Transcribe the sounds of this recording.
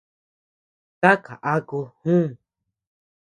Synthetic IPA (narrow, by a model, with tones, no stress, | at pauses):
t̪a˦ka˨ʔa˦ku˧hũ˦˨